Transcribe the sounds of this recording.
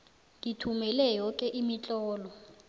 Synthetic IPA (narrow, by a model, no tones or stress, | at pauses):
ŋitʰumɛlɛjɔkʼɛʔimit͡ɬʼɔːlɔ